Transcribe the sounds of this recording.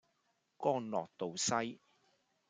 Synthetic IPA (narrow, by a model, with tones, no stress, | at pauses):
kɔː˥ŋlɔ̰ː˨k̚t̪o˨wsɐ˥j